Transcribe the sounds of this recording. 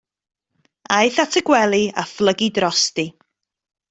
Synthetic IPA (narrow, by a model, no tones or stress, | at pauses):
ajθatʰəɡwɛlˠia̰flˠəɡidrɔsti